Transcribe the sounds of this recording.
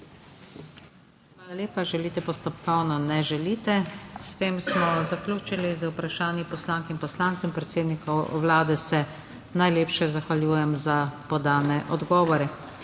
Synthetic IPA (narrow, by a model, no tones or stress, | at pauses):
xʋaːlalʲjeːpaʒɛliːt̪ɛpɔst̪ɔpkɔwnɔnɛʒɛliːt̪ɛst̪eːmsmɔzaklʲuːt͡ʃilizəwpɾaʃaːnjipɔslaŋkimpɔslaːnt̪sɛmpɾɛt̪seːd̪nikɔwʋlaːd̪ɛsɛ | najleːpʃɛzaxʋaljuːjɛmzapɔd̪aːnɛʔɔd̪ɡɔːʋɔɾɛ